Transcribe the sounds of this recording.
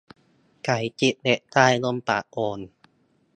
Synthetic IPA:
kʰa˨˩˦jt͡ɕi˨˩ʔ̚de˨˧˩ʔt̪aː˥˩jlo˧˥˩mpa̰ː˨˩ʔ̚ʔoː˧n

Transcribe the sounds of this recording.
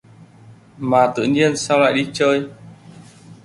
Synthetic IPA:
maː˨˩t̪ɨ̰˧˨ɲi˧ənsa˧wla̰ː˧˨jɗi˧t͡ɕəː˧j

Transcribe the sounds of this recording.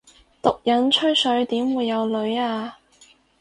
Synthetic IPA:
t̪ʊ˨k̚jɐ˨˥nt͡ʃʰɵ˥ɥsɵ˨˥ɥt̪iː˨˥mwuː˨˧jːɐ˨˧wlɵ˨˧ɥaː˧

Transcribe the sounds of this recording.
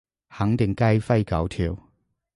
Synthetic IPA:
hɐ˨˥ŋt̪ɪ˨˩ŋkɐ˥jfɐ˥jkɐ˨˥wt̪ʰiː˨˧w

